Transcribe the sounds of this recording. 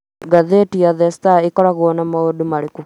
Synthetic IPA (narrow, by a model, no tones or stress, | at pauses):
ɡaðetijaðɛstaikɔɾaɣwɔnamaodumaɾiku